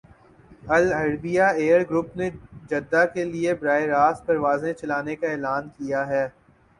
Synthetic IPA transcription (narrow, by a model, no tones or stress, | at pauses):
ɐlɐɾbijaeːəɾɡɾʊpned͡ʒɐd̪ːakeliebɾaːɪɾaːspɐɾʋaːzẽt͡ʃɐlaːnekaeːlaːnkijaɦɛː